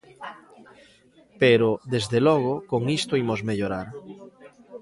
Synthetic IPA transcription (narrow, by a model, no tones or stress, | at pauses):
peɾoðezðelɔɣokoŋist̪oimozmeʎoɾaɾ